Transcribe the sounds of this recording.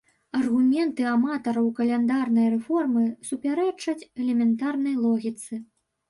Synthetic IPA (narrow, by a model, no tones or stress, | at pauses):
ɐrɣumʲɛnt̪ɨamat̪ɐɾɐwkɐlʲɛnd̪arnɐjrɛfɔrmɨsupʲaɾɛt͡ʂɐt͡sʲɛlʲɛmʲɛnt̪arnɐjlˠɔɣʲit̪sɨ